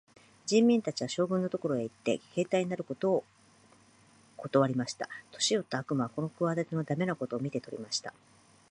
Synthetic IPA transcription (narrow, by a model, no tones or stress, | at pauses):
d͡ʑĩmːʲĩnt̪at͡ɕiβaɕo̞ːɡɯ̟̃nːot̪o̞ko̞ɾo̞e̞it̪ːe̞̰kʰe̞ːt̪aiɲ̟inaɾɯ̟ko̞t̪o̞ː | kʰo̞t̪o̞βaɾʲimaɕi̥t̪a̰t̪o̞̥ɕijo̞t̪ːaakɯ̟maβako̞no̞kɯβad̪at̪ʲenod̪ame̞nako̞t̪o̞ːmʲit̪e̞t̪o̞ɾʲḭmaɕi̥t̪a